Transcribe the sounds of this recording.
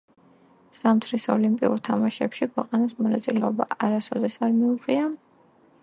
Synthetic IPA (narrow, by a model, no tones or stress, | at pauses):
z̥amt̪ʰɾisɔ̰limpʼiṵɾt̪ʰamaʃɛpʃikʰwɛqʼanasmɔnat̪sʼilɛɔba̰ʔaɾasɔd̪ɛsaɾmiuʁia